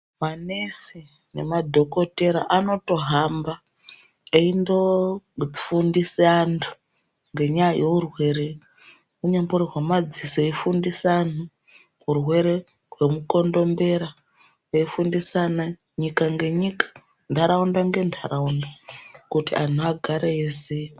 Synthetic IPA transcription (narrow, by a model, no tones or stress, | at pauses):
manesi | ne̞̰madʱo̞ko̞te̞ɾaʔano̞to̞ɦamba | eindo̞ | fundisantʰu̥ | ŋɡe̞ɲajajeurwe̞ɾe | uɲemboɾirwamad͡zisoeifundisan̤u | urwe̞ɾe̞ | rwe̞muko̞ndo̞mbe̞ɾa | eifundisana | ɲikaŋɡe̞ɲikḁ | ndʱaɾaundaŋɡe̞ndʱaraundakutian̤uaɡʱaɾeisei